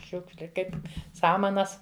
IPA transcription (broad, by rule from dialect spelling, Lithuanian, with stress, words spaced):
ˈʃʲʊkʃʲlʲɪ ˈkɐɪp ˈsɑːmɐnɐs